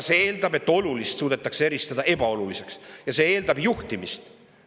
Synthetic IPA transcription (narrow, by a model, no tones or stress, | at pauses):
seeːld̪̥ɑbe̞t̪ːˑo̞lulist̪suːd̪̥e̞t̪ːˑɑksee̞ɾist̪ɑd̪̥ɑʔe̞bɑo̞lulise̞ksjɑse̞e̞ːld̪̥ɑbjuht̪imist̪